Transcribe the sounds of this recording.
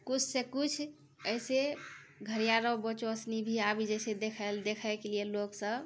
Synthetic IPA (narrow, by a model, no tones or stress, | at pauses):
kut͡ʃʰsekut͡ʃʰ | əjseɡʱəɾijaɾəbət͡ʃoəsnibʱiabid͡ʒɛɪsed̪ekʰəld̪ekʰəjkelieloksə̃